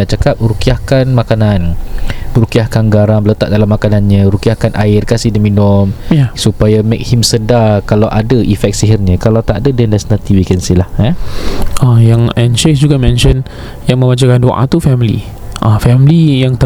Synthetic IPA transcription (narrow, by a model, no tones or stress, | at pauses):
aʔt͡ʃakap̚ɾukiahkanmakananəɾukiahkanɡaɾaŋbələt̪a̰ʔ̚dalamakananɲə̃ɾukiahkanʔaɪrkasidəminɔmjasupajamek̚himsədakalawʔadəʔifɛk̪̚siɦirɲə̃kalawt̪aʔdədɛndasnat̪iwikɛnsilahaʔajaŋɛnt͡ʃesd͡ʒuɡamɛ̃nʃən | jaŋmə̃mbat͡ʃakandoʔa̰t̪ufɛmilḭ | ʔãfɛmlijaŋt̪ə